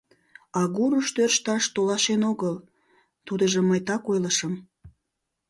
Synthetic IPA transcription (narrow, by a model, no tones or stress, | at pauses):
ɑɣuɾəʃt̪ørʃt̪ɑʃt̪olɑʃenoɣəl | t̪ud̪əʒəməjt̪ɑkojləʃəm